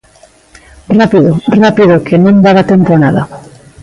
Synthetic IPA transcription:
rapiðorapiðʊkenõnd̪aβat̪empoanaða

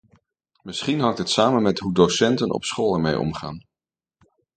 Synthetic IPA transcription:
mɪsχinɦɑŋtɦətsaːmənmɛtɦudosɛntənɔ̰psχoːlˠɛɹmejɔ̰mχa̰ːn

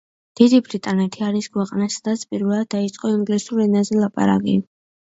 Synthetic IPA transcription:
d̪̥id̪ibɾit̪ʼanɛt̪ʰiaɾiskʰwɛqʼnasad̪at̪sʰpʼiɾvɛlˠad̪̚ːait̪sʼqʼɔiŋɡlisuɾɛnazɛlˠapʼa̰ɾa̰kʼi

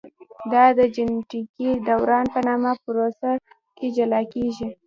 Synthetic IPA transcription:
d̪ɑd̪əd͡ʒɪnʈikid̪awɾɑnpənɑmapʊɾosa | ked͡ʒalɑkeʒi

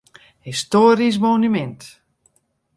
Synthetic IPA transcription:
histoːɾis̬monymɛnt

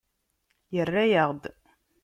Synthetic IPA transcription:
jərːæjəʁd̪

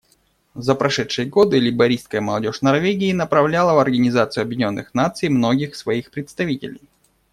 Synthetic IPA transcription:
zəpɾɐʂɛt̪ʂɨjəɡo̞d̪ɨlʲɪbɐɾʲist̪̚kəjəməlˠɐdʲo̞ʂnɐrvʲeɡʲɪːnəpɾɐvlʲalˠəvɐrɡənʲɪzat̪sɨjʊɐbʲjɪdʲnʲo̞nːɨxnat̪sɨjmno̞ɡʲɪxsvɐixpɾʲɪt̪st̪ɐvʲitʲɪ̰lʲɪ̰j

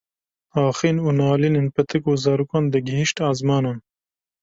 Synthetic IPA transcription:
ɑːxinunaːlininpɐt̪ʰɨkuːzɑːɾukand̪əɡihiʃʈaːzmɑːnɐn

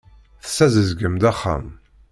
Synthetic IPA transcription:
θə̥sːæzəzɡəmd̪æχːa̰m

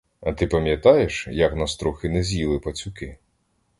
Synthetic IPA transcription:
ɐt̪ɪpɐmʲjɐt̪ɑjeʃjɐknɐst̪ɾuxɪnɛzʲjilˠɪpɐt͡sʲʊkɪ

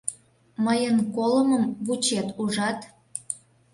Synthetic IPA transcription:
məjənkoləməmβut͡ɕet̪uʒɑt̪

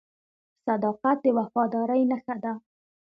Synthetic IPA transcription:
sad̪ɑqat̪̚d̪əwafɑd̪ɑɾəjnəxad̪a

